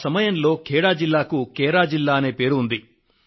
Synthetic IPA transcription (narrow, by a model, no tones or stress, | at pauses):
sɐmɐjɐnlo̞ːkɛːɽaːd͡ʒilːaːkukɛːɽaːd͡ʒilːaːɐne̞ːpe̞ːɾund̪i